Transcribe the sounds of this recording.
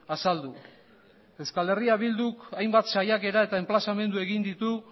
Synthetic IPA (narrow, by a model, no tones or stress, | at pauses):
asald̪u | ewskale̞riaβild̪ukajmbat̪sajake̞ɾae̞t̪ae̞mplasame̞nd̪ue̞ɣind̪it̪u